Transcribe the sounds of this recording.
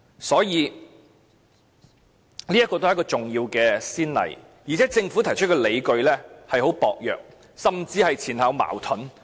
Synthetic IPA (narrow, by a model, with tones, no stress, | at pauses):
sɔː˨˥jiː˨˧ | li˥jɐ˥kɔ˧o˥hkːɔː˧t͡sʊ˨ŋjiː˧wkɛː˧siː˥nlɐ̰˨˩j | jiː˨˩t͡sʰɛː˨˥t͡sɪ˧ŋfu˨˥t̪ʰɐ˨˩jt͡ʃʰt̚kɔː˧le˨˧jkɵ˧ɥlɛː˥hɐ˨jho˨˥wpɔ̰ː˨k̚jœ̰ː˨k̚ | sɐ˨mt͡siː˧hɐ˨jt͡sʰiː˨˩nha˨˧wma̰ː˨˩wt̪ʰʊ˨˥n